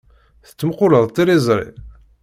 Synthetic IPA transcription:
θə̥t͡sːəmqʊləðˤt̪iɾizˤɾˤḭ

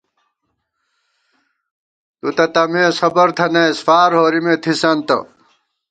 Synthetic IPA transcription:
t̪ut̪ɐt̪ɐmeːsɐbɐɾt̪ʰɐnɐisfaːɾɦoːɾimet̪ʰisɐnt̪ɐ̰

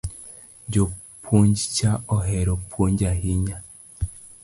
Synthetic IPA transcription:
ɲɟo | pʰuɲɟicaoɦeɾopʰuɲɟaɦiɲa

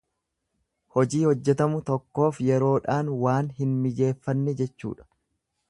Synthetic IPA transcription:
hɔd͡ʒiːhɔd͡ʒːɛt̪ɐmʊt̪ɔkːo̞ːfjɛɾo̞ːᶑaːnwaːnhɪnmɪd͡ʒe̞ːfːɐnːɛd͡ʒɛt͡ʃːṵːᶑɐ̥

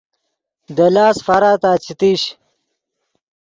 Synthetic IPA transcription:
d̪ɐlaːsfɐɾaːt̪aːt͡ɕʰit̪iɕ

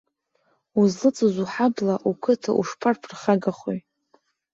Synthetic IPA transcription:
uzlɨt͡sʼɨzʷuħablaʔukʷʰɨtʰa̰ʔuʂpʰarpʰrχaɡaχʷoj

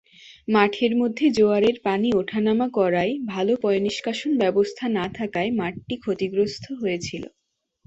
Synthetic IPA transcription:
maʈʰeɾmod̪ʱːed͡ʑoaɾeɾpanioʈʰanamakɔɾaebʱalopɔjniʃkaʃonbɛbost̪ʰanat̪ʰakaemaʈ̚ʈikʰot̪iɡɾost̪ʰoɦoet͡ɕʰilo̰

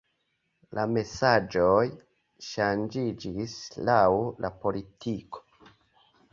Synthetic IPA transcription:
lʔame̞sad͡ʒoj | ʃand͡ʒid͡ʒislawlʔapo̞litʰiko̥

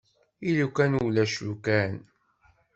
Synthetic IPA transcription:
ilukænulæʃukæn

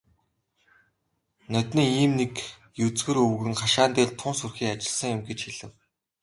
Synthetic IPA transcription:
nœt̪ʲnĭːiːmnek | jɵt͡sɡɘ̆ɾɵwɣɘ̆ŋχaʃaːnt̪eːɮt̪ʰʊnsurxiːat͡ɕɪ̆ɮsə̆ŋjʊmɡet͡ɕxiɮɘ̆w

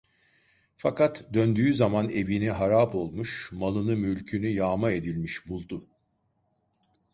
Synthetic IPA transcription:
fakʰat̪ʰd̪ønd̪yːzamane̞viniɦaɾaːpo̞lˠmuʃmalˠɯnɯmylʲcʰynyjaːmae̞d̪ilʲmiʃbulˠd̪ʊ

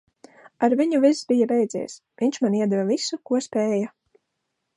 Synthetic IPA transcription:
aɾviɲuvisbijabɛjd̪zʲḭɛs | viɲʲt͡ʃmaniɛd̪ɛvavisukuɔspʲɛːja

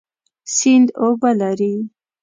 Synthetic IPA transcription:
sind̪obalaɾi

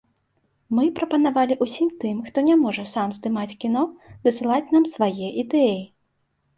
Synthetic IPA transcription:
mɨpɾɐpɐnavalʲiʔusʲimt̪ɨmxt̪ɔnʲamɔʐɐsamzd̪ɨmat͡sʲkʲin̪ɔd̪ɨsɨlˠat͡sʲnamsvajɛʔid̪ɛji

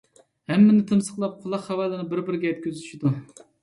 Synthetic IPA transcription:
hɛmːɪnɪt̪ʰɨmsə̥qlˠɑp̚qʰʊlˠɑχhɑwælˠɨnɨbɪɾbɪɾɡʲɛjɛt̪̚kʲyzyʃid̪u

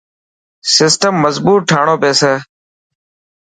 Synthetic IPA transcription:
sɪsʈəmːəzbuːʈ̚ʈʰaːɳoːpeːseː

